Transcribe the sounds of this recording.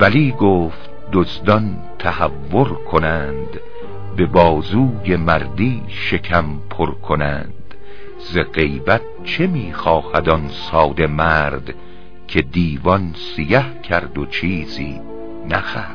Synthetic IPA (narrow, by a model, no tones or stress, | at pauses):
væliːɡoːft̪̚d̪ozd̪ɒn | t̪ʰæhævːoɾkʰonænd̪ | be̞bɒːzuːje̞mæɾd̪iː | ʃe̞kʰæmpʰoɾkʰonæ̰nd̪̥ | zeɢe̞jbæt̪̚t͡ʃʰe̞miːxɒːhæd̪ɒnsɒːd̪e̞mæːɾd̪ | kʲʰe̞d̪iːvɒnsijæhcʰæɾd̪ot͡ʃʰiːziː | næxæː